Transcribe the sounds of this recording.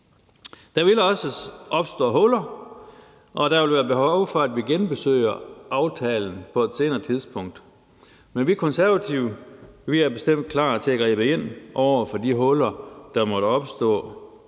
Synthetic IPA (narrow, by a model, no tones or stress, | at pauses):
d̥ɑ̈ʋilɒ̽səʔɒ̽b̥sd̥ɔ̰ːɦɔ̽lɐ | ʔɒ̽d̥æ̈ʋe̝lʋæːɐb̥e̝ɦɒʊ̰fɒ̽æd̥ʋiɡ̥enb̥e̝sø̰ɪ̰ɐʔɑ̈ʊt͡sʰɛːln̩pʰɒ̽e̝d̥se̝ːnɐːt͡sʰiðˠspʰɔ̽ŋ̰d̥ | menʋikʰɔ̽nsæɐʋæt͡sʰiʊʋiæɐbe̝sd̥em̰d̥̚kʰlɑ̰̈ːt͡sʰe̝æɡ̥ʁḭːb̥əe̝n̰ʔɒʊ̰ɐfɒ̽d̥iɦɔ̽lɐd̥ɑ̈mɒ̽ɾ̥əɒ̽b̥sd̥ɔ̰̽ː